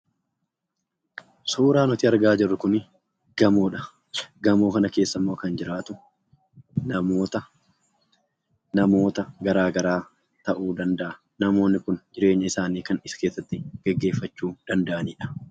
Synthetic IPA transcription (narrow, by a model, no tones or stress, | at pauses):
suːɾaːnɔt̪ɪɐɾɡaːd͡ʒɪrːʊkʊn | ɡ̥ɐmoːᶑɐ | ɡɐmoːkɐnɐke̞ːsːɐmːoːkɐnd͡ʒɪɾaːt̪ʊ | nɐmoːt̪ɐ | nɐmo̞ːt̪ɐɡɐɾaːɡɐɾaː | t̪ɐʔuːd̪ɐnd̪ɐʔɐ | nɐmo̞ːnːɪkʊnd͡ʒɪɾe̞ːɲːɐɪsaːniːkɐnɪske̞ːsːɐt̪ːɪɡ̥ɛɡːe̞ːfːɐt͡ʃːuːd̪̥ɐnd̪ɐʔɐniːᶑɐ̥